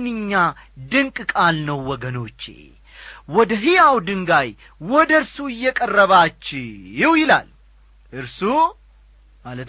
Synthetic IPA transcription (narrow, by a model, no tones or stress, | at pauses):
nːɨɲːad̪ɨŋkʼkʼalnəwːɔɡəno̞t͡ʃːḛ | wɔd̪əɦijawd̪ɨŋɡaj | wɔd̪əɾsuɨjːɛkʼərːəβat͡ʃːɪɪwjɪla̰l | ʔɨɾsu | malət̪